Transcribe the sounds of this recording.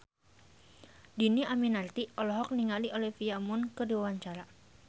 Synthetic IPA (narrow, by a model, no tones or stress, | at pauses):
diniaminart̪iɔlɔɦɔk̚niŋaliʔolɛhfiamʊnkədiwawaɲt͡ʃaɾa